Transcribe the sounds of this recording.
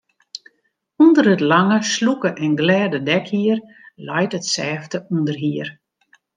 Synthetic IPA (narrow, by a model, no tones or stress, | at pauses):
undərətlaŋəslukəʔɛnɡlɛːdədɛkhiər | lɔjtətsɛːftəundərɦiər